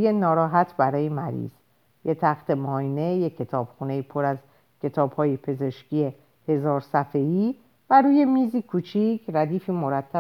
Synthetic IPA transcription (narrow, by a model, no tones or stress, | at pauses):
jenɒːɾɒːɦæt̪ʰbæɾɒːjemæɾḭːz̥ | jet̪ʰæxt̪ʰe̞mɒːine̞jecʰːe̞t̪ʰɒːb̥xuːne̞jipʰoɾæz | cʰe̞t̪ʰɒːbhɒːjepʰe̞ze̞ʃcʰije | he̞zɒːɾsæfeiː | væɾuːje̞miːziːkʰuːt͡ʃʰicʰɾæd̪iːfiːmo̞ɾæt̪ʰːæ